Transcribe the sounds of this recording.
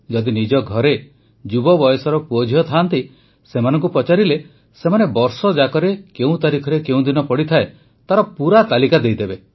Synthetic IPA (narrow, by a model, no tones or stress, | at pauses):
d͡ʒɔd̪inid͡ʒɔɡʱɔɾe | d͡ʒubɔbɔjɔsɔɾɔpuod͡ʒʱijɔt̪ʰant̪i | semanɔ̃ŋkupɾɔt͡ʃaɾile | semanebɔɾsɔd͡ʒakɔɾekeũt̪aɾikʰɔɾekeũd̪inɔpɔɽit̪ʰae | t̪aɾɔpuɾat̪alikad̪ejd̪ebe